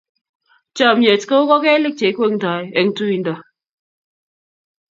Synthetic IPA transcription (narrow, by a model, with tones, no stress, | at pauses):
t͡ʃa˦˨mje˨tkə˦u˦kɔ˦kɛ˦le˦k̚t͡ʃe˨˦kwŋ̩˨ta˨je˨ŋ̩˦tu˦i˨n̩˦dɔ˨